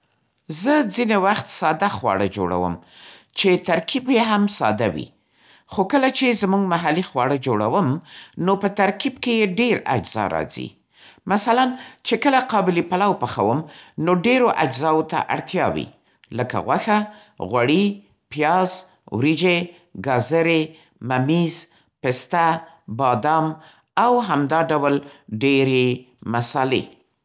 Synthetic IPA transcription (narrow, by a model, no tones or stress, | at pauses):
zəd͡zinewaxt̪sɑd̪axwɑ̰ɽəd͡ʒo̰ɽa̰wə̰m | t͡ʃet̪aɾkibjeɦamsɑ̰d̪awḭ | xokəlat͡ʃezmuɡmaɦalixwɑɽəd͡ʒoɽa̰wəmnopət̪aɾkib̚kejeɖeɾa̰d͡ʒz̥ɑ̰ɾɑ̰zḭ | masalant͡ʃekəlaqɑbɪlipalawpəxawəmnoɖeɾoʔad͡ʒzɑwot̪a̰ʔa̰ɽt̪jɑ̰wḭ | ləka̰ɣwaxa | ɣwaɽi | pjɑz | wɾid͡ʒe | ɡɑzaɾe | mamiz | pest̪a | bɑd̪ɑm | awɦamd̪ɑɖawlɖeɾe | masɑlḛ